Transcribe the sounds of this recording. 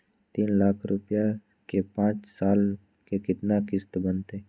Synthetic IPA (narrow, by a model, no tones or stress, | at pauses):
t̪iːnlaːkʰɾʊpja | kepãːt͡ʃsaːl | kekɪt̪nakɪst̪bənt̪eː